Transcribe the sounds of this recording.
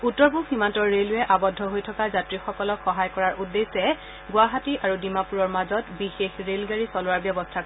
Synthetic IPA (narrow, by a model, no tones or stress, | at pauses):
utːɔɹbʱuxhimantɔɹːelʊjɛʔabɔdʱːɔɦojtʰɔkazatɹixɔkɔlɔkxɔɦajkɔɹaɹʔudːesɛ | ɡʊaɦatiʔaɹudimapuɹɔɹmazɔtbixexɹelɡaɹisɔlʊwaɹbjɔbɔstʰak